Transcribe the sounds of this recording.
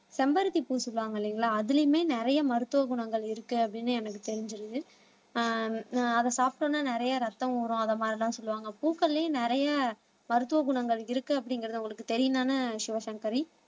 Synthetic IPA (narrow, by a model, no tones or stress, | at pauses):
sɛmbɐɾɯt̪ːipuːsɔlːɯʋaːŋɡɐlːiŋɡɐɭaːɐðɪlɐjɯmeːnɪɾɐjɐmɐɾɯt̪ːɯʋɐɡʊɳɐŋɡɐɭɪɾɯkːɯɐpːɐɽɪnːɯɛnɐkːɯt̪ɛɾɪɲd͡ʒɪɾɯðɯ | ɐðɐsaːpɪʈõːnːaːnɪɾɐjɐɾɐt̪ːɐ̃muːɾʊ̃ɐðɐmaːd̪ɪlãːsɔlːɯʋaːŋɡɐpuːkːɐlːenɪɾɐjɐ | mɐɾɯt̪ːɯʋɐɡʊɳɐŋɡɐɭɪɾɯkːɯɐpːɐɽɪŋɡɪɾɐðɯʊŋɡɐɭɯkːɯt̪ɛɾɪjɯnaːnɐʃɪʋɐsɐŋkɐɾi